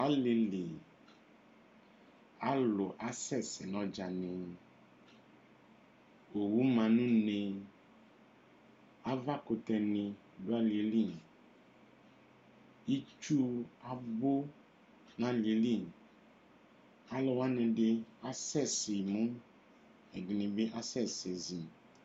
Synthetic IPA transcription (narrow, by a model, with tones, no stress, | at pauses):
a˨˦le˨le˨ | a˨˦lo˨ʔa˨˦sɛ˦˨sɛ˨nɔ̃˨d͡ʒa˨nẽ˨ | o˨wu˦mã˨nũ˦nẽ˨ | a˨va˦ko˧t̪ɛ˧nẽ˨ | do˦a˦li˨e˦li˦˨ | i˦t͡ʃu˦a˦bo˦ | nã˦li˨e˨˦li˦˨ | a˦lɔ˨wa˦nɛ̃˨ɖe˦a˦sɛ˦˨se˨mũ˦ | ɛ˨ɡnĩ˨be˦ʔa˦sɛ˦˨se˨zi˨